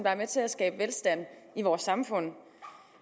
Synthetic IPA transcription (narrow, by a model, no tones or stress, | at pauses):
nd̥ɑ̈ɐmet͡sʰe̝læsɡ̥ɛ̰ːb̥əʋelsd̥æn̰iʋɒːsːɑ̈mfɔ̽n̰